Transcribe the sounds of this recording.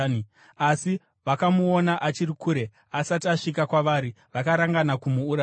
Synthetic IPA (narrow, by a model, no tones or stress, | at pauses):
asi | ʋakamuonaʔat͡ʃirikuːɾe̞ | asatiaʂikakwaʋaːɾi | ʋakaɾaŋɡanakumuːɾa